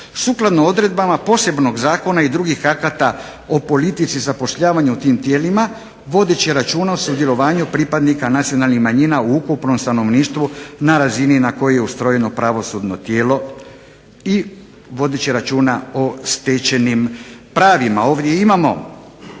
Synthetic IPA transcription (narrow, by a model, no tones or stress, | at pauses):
suklˠad̪noo̞d̪ɾe̞d̪̚bamapo̞se̞bno̞ɡzaːko̞naid̪ɾuɡixakat̪a | opo̞lit̪it̪sizapo̞ʃʎaːʋaɲuut̪iːmt̪je̞ːlima | ʋo̞d̪e̞t͡ɕiɾat͡ʃuːnaosud̪je̞lo̞ʋaːɲupɾipad̪nikanat̪sijo̞nalnixmaɲinauukupno̞mst̪ano̞ʋniːʃt̪ʋunaɾazininako̞jeje̞ust̪ɾo̞je̞no̞pɾaʋo̞sud̪no̞t̪je̞ːlo̞ | i | ʋo̞d̪et͡ɕiɾat͡ʃuːnaost̪et͡ɕe̞nimpɾaːʋimao̞ːʋd̪je̞imamo̞̰